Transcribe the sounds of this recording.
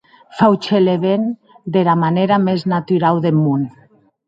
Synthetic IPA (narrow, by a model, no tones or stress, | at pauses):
fawt͡ʃeleβen | d̪elamaneɾameznat̪yɾawðemun